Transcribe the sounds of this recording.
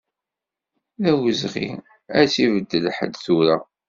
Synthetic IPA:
ðæwəzʁḭ | æt͡sivəd̪ːəlħə̰d̪θuɾæ

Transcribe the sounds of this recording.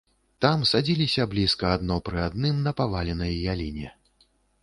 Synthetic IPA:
t̪amsad͡zʲilʲisʲɐblʲiskɐad̪nɔpɾɨad̪̚nɨmnɐpavalʲɛnɐjjalʲinʲɛ

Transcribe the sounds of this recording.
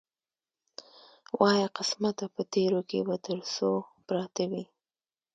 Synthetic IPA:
wʔɑjaqɪsmat̪apət̪eɾokebat̪əɾsopɾɑt̪awi

